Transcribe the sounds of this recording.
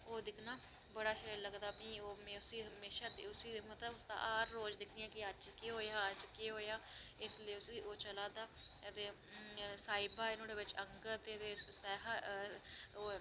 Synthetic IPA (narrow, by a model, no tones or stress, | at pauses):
oːd̪ɪkʰnaː | bəɽaːʃəːləɡd̪aːpĩːoːmɛ̃ːʊsiːɦəmeːʃaːd̪ʊsiːmət̪əʊst̪ã̰ːʔaːɾːoːd͡ʒd̪ɪkʰnɪjãːkɪəd͡ʒkeːɦoːjaːəd͡ʒkeːɦoːjaːɪsləiːʊsiːoːt͡ʃəlaːd̪aːt̪eː | saːɪbaːɪnõːɖeːʋɪt͡ʃəŋɡəɾt̪eːt̪eːsɛːɦə | oː